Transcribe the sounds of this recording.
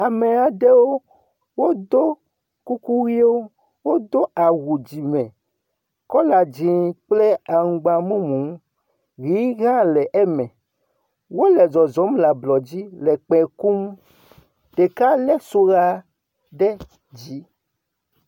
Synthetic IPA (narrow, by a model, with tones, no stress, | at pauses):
a˨me˨a˨ɖɛ˦wo˦ | wo˦d̪o˦ | ku˦ku˦ɣi˦o˦ | wo˦d̪o˦ʔa˨ɣu˨d͡ʑi˨mɛ̃˨ | kɔ˦la˨d͡ʑi˨k͡plɛ˦a˨ŋ̩˨ɡ͡ba˨mũ˦mũ˨˦ | ɣi˨˦ɣã˦lɛ˨ʔɛ˦mɛ̃˨ | wo˦lɛ˨zɔ˨zɔ˨˦mla˨blɔ˨d͡ʑi˦lɛ˨k͡pɛ̃˨ku˦m | ɖ̥e˨ka˦lɛ˦so˦ɣa˦ | ɖɛ˦ | d͡ʑi˨˦